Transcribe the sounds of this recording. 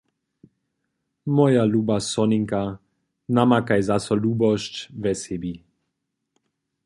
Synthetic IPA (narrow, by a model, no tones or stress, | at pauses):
mɔjalubasɔniŋka | namakajzasɔluːbɔʃcvɛsɛbi